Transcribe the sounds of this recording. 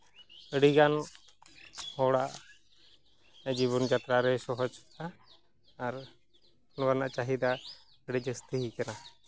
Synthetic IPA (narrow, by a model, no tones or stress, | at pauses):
əɽiɡan | hɔɽaʔ | d͡ʒiβɔnd͡ʒat̪ɾaɾɛsɔɦɔd͡ʒaː | ɾ | ɔnbanaʔt͡ʃaɦid̪a | əɽid͡ʒəst̪ʰəɦikɛna